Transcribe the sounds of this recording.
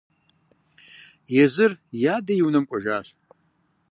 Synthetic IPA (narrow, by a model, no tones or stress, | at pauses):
jɛzɨrjadajiwnɨmkʷʼaʒaːɕʷ